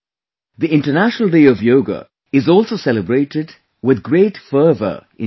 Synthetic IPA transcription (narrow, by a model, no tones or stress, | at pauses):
d̪iɪ̃ɳʈənæʃənəlˠɖeːɔvjoːɡə̰ | ɪzɔːlsoːsɛləbɾeːʈɪɖ | wɪd̪ɡɾeːʈfəːvə̰ʔɪ̃